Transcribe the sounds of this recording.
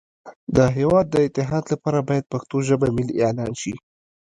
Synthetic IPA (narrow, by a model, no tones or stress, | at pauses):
d̪əɦewɑd̪ːəɪt̪ɪɦɑd̪lapɑɾabɑjad̪̚paxt̪oʒəbamɪlieʕlɑnʃi